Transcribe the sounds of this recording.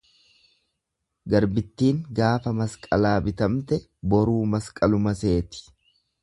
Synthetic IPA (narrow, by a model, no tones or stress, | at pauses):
ɡɐɾbɪt̪ːiːŋɡaːfɐmɐskʼɐlaːbɪt̪ɐmt̪ɛ | bɔɾuːmɐskʼɐlʊmɐse̞ːt̪ɪ̥